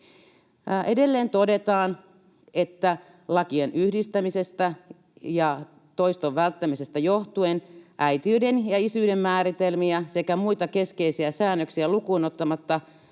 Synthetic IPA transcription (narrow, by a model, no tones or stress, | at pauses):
ʔedelːeːnt̪odet̪ɑːn | et̪ːæ | lɑkienyhdist̪æmise̞st̪æ | jɑ | t̪oist̪oʋʋælt̪ːæmisest̪æjoht̪uenʔæit̪iydenjɑisyːdemːæːɾit̪elmiæsekæmuit̪ɑke̞skeisiæsæːnːøksiælukuːnot̪ːɑmɑt̪ːɑ